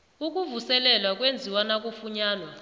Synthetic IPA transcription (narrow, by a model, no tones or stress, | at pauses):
uk̬ʼuvusɛlɛlwak̬ʼwend͡zʱiwanak̬ʼufuɲaːnwa